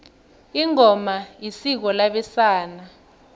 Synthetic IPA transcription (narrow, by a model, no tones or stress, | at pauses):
iŋɔmajisik̬ɔlaɓɛsaːna